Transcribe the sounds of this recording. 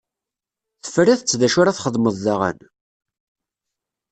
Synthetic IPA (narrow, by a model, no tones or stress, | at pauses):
θə̥friθət͡sːðæʃʊɾæθχəðˤməðˤðaʁæ̰n